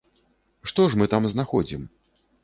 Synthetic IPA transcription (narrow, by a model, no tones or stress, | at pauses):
ʂt̪ɔʂmɨt̪amznaxɔd͡zʲim